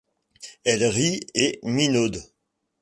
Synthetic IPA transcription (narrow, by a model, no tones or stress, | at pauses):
ɛlʁieminod̪